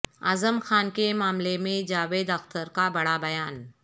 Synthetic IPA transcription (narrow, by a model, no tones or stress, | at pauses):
aːzəmxaːnkemaːmlemẽd͡ʒaːʋeːd̪ɐxt̪əɾkabɐɽabɐjaːn